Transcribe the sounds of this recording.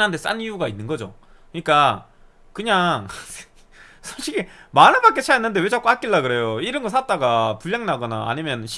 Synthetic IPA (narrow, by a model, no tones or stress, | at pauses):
ɦantʰes͈a̰niuɡainːɯnɡʌd͡ʑo̰ | kɯɲik͈a | kɯɲaŋ | sʰoɕ͈ʰiɡimanɯɭbak͈et͡ɕʰajaenːɯndewe̞d͡ʑapk͈ohak͈ilːaɡɯɾe̞joiɾɯnɡʌs͈ʰat̚t͈aɡapuʎːaŋnaɡʌna̰ʔa̰ɲimjʌnɕʰi